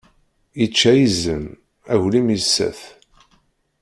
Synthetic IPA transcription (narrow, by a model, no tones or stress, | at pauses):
jət͡ʃːæjizən | æʝlimjəsːæ̰θ